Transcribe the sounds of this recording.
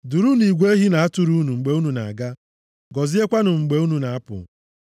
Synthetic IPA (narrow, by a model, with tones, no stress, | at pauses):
du˨ɾu˦ni˨ɡʷe˦e˦ɦi˦na˨a˦tu˨˦ɾu˦nu˨ŋ͡m̩˨ɡ͡be˨u˦nu˨na̰˨a˨ɡa˦ | ɡɔ˨zi˦e˦kʷa˦nʊ˨ŋ͡m̩˨ɡ͡be˨u˦nu˨na˨a˦pʊ̰˨